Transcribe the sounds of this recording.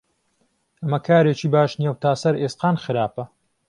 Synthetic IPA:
ʔɐmɐkʰaːɾeːt͡ʃiːbaːʃnjɛwt̪ʰaːsɐɾeːsqaːnxɨɾaːpɐ

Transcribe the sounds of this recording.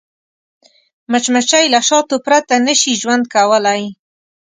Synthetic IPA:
mət͡ʃmat͡ʃajlaʃɑt̪opɾat̪anəʃiʒwand̪̚kawəlaj

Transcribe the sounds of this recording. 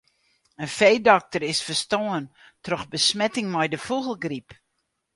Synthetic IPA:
ənfejdɔk̚tərɪsfərstoən | trɔxbəsmɛtɪŋmɛjdəfuɣəlˠɡrip

